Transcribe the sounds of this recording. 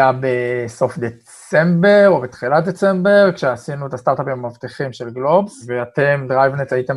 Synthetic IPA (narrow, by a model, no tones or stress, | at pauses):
jabeso̞fd̪et͡s | e̞mbe̞ʁobet̪χilat̚d̪et͡se̞mbe̞ʁkʃeasinuet̪ast̪aʁt̪apimamavt̪iχimʃe̞lɡlo̞bveatemdʁajvnetajitem